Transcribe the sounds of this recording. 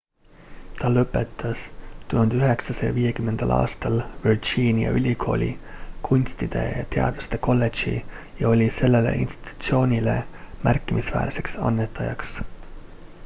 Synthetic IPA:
t̪ɑlɤpːˑe̞t̪ːˑɑst̪uhund̪eyɦe̞ksɑsḛjɑviːje̞kymːe̞nd̪̥ɑlʔɑ̰ːst̪ɑlvird͡ʒiːnʲijɑ̰ʔylʲikʰo̞ːlʲḭ | kʰunʲst̪id̪̥e̞̰jɑt̪e̞ɑ̰d̪̥ust̪e̞ko̞lːe̞̥ʒḭ | jɑo̞lʲise̞lːe̞le̞̰ʔḭnst̪i̥t̪u̥t̪sio̞ːnʲile̞̰mʔærkːimisvæ̰ːɾse̞ksɑ̰nːet̪ːˑɑjɑ̰ks

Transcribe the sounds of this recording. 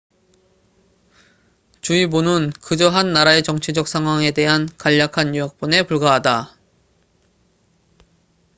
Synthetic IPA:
t͡ɕuibonɯnkɯd͡ʑʌɦanːaɾae̞t͡ɕʌŋt͡ɕʰid͡ʑʌk̚s͈ʰaŋɦwaŋe̞de̞ɦankaʎːakʰanjujʌk̚p͈one̞puɭɡaɦada

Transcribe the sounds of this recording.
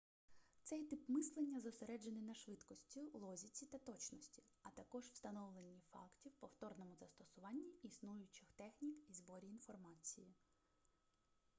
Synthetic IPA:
t̪sɛjt̪ɪpmɪslˠenʲːɐzɔseɾɛd͡ʒenɪnɐʃʋɪt̪kɔsʲtʲilˠɔzʲit͡sʲit̪ɐt̪ɔt͡ʃnɔsʲtʲi | ɐt̪ɐkɔʒwst̪ɐnɔʋlˠenʲːifɑ̰ktʲiwpɔwt̪ɔrnɔmʊzɐst̪ɔsʊʋɑnʲːiisnujʊt͡ʃɪxt̪ɛxnʲikizbɔɾʲiːn̪fɔrmɑt͡sʲiji

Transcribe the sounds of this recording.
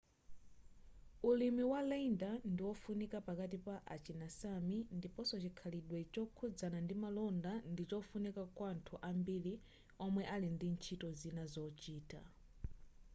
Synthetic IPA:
ulimiwalaindandiwɔfunikapakat̬ipaʔat͡ʃinasamindipɔsɔt͡ʃikʰaliɗwɛt͡ʃɔkʰud͡zanandimalɔndandit͡ʃɔfunikakwantʰuʔambili | ɔmwɛʔalindint͡ʃʰitɔzinazɔt͡ʃiːta

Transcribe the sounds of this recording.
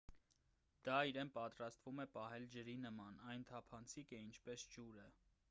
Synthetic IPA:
d̪ɑiɾɛnpɑt̪ɾɑst̪vumɛpɑɦɛld͡ʒəɾinəmɑnɑjnt̪ʰɑpʰɑnt͡sʰikɛint͡ʃʰpɛsd͡ʒuɾə

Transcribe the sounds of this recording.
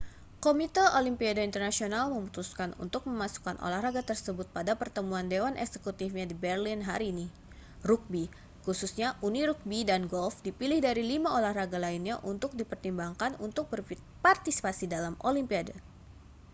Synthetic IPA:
komit̪əʔolimpiadaint̪ərnasionalməmut̪uskanṵnt̪ʊk̚məmasu̥kanʔo̰lahraɡat̪ərsəbʊt̪̚padapərt̪əmuandewanʔɛ̰ksəkut̪ifɲadibɛrlinɦa̰ɾiːni | ruk̚bi | kususɲaʔuniɾuk̚bidanɡɔlfdipilɪhdaɾilimaʔolahraɡalainɲaʔunt̪ʊk̚dipərt̪imbaŋkanunt̪ʊk̚bər | part̪isi̥pasidalamolimpiada

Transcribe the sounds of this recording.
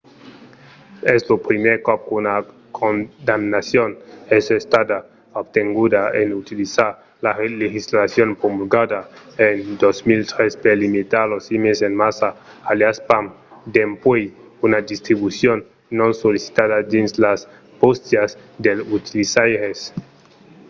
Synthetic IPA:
ezlopɾimeɾkop̚kuna | kʰond̪amnasjonesest̪ad̪a | obt̪eŋɡuðaenut̪ilisaɾ | lalexislasjonpomulɡadaend̪osmilt̪ɾespelimit̪aɾlosimesenmasaːljaspam | d̪empwej | unad̪ist̪ɾiβusjonː | õnsolisi̥t̪aðad̪inslas | post̪jazd̪elut̪ilisajɾes

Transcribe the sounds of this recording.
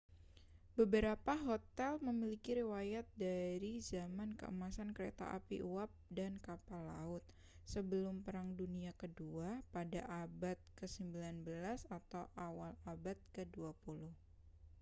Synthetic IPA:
bəbəɾapaɦot̪ɛlməmilikiɾiwajat̪̚daɾizamankə̰ʔə̰masankəɾḛt̪a̰ʔa̰pḭʔuwap̚dankapalːaʊt̪̚ | səbəlʊmpəɾaŋduniakəduapadaʔabat̪̚kəsəmbilanbəlasat̪awʔawalabat̪̚kəduapulʊh

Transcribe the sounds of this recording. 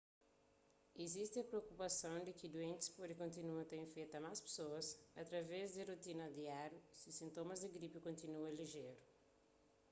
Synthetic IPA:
ezist̪ɪɐpɾeokupasɐ̃w̃d̪ɪkɪd̪uẽnt̪ɪ̥spod̪ɪkõnt̪inuɐ̃t̪ẽfejt̪ɐmaspe̥soɐsat̪ɾɐvɛzd̪ɪrut̪inɐd̪iaɾjʊsɪsĩnt̪õmɐzd̪ɪɡɾipɪkõnt̪inuɐ̃liʒeɾʊ

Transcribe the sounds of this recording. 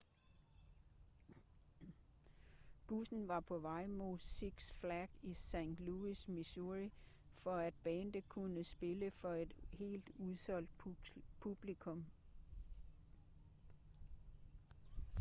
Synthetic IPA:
b̥usn̩ʋɑ̈pʰɒ̽ʋɑ̈ɪ̰moðˠsiɡ̥sflæɡ̥isæŋ̰d̥luismisuʁi | fɒ̽æd̥̚b̥ɛːnd̥əkʰunəsb̥e̝ləfɒ̽e̝d̥he̝̰ːld̥uðˠsɒ̽l̰d̥̚pʰub̥likʰɔ̽m

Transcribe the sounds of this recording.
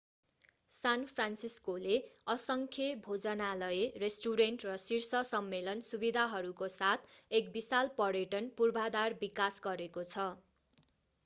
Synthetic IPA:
sanpʰransiskoleʌsʌŋkʰebʱod͡zʌnalʌeresʈuɾeɳʈrʌsirsʌsʌmːelʌnsubid̪ʱaɦʌɾukosat̪ʰekbisalpʌɾeʈʌnpurbʱad̪arbikasɡʌɾekot͡sʰʌ

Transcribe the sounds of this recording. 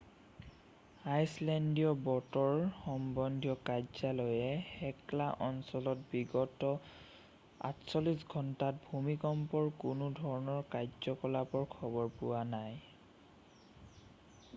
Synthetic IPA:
ajslɛndijɔbɔtɔɹxɔmbɔndʱjɔkajzalɔjɛhɛklaʔɔnsɔlɔtbiɡɔtɔ | a̰tsɔlisɡʱɔntat̚bʱumikɔmpɔɹkʊnʊdʱɔɹɔnɔɹkajzɔkɔlapɔɹkʰɔbɔɹpʊwanaj

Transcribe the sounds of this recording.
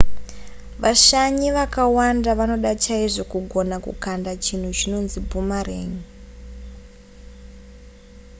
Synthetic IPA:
ʋaʃaɲiʋakawandaʋano̞ɗat͡ʃaiʐo̞kuɡʱo̞nakṵkandat͡ʃin̤ut͡ʃino̞nzibʱumareːɲi

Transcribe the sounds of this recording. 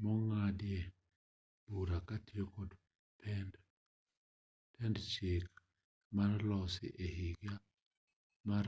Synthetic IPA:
mɔŋadje | b̥uɾakatjokod | pʰɛnd | tʰɛndt͡ʃek | marlɔsɪ̰ʔehiɡja | mar

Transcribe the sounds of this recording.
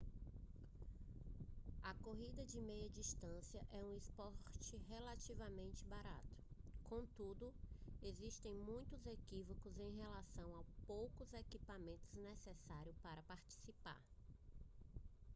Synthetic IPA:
ɐkoɦid̪ɐd͡ʒɪmejɐd͡ʒist̪ɐ̃siɐʔɛũispɔɾt͡ʃɪɦelat͡ʃivɐmẽnt͡ʃɪbaɾa̰t̪ʊ̥kõt̪ud̪ʊeziʃt̪ẽj̃mũj̃t̪ʊzekivokʊzẽj̃ɦelasɐ̃w̃awpowkʊzekipamẽnt̪ʊznesesaɾjʊpaɾɐpaɾt͡ʃi̥sipa̰ɾ

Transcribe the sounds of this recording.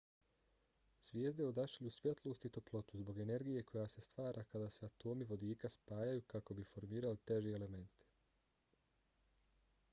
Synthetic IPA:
z̥ʋʲjeːzd̪eod̪aʃilusʋʲjet̪lˠo̞st̪it̪o̞plˠo̞t̪uzbo̞ɡe̞ne̞ɾɡije̞kʰo̞jase̞st̪ʋaːɾʔakad̪aseat̪o̞ːmiʋo̞d̪iːkaspaːjajukako̞bifo̞ɾmiːɾalit̪e̞ʒieele̞me̞nt̪i̥

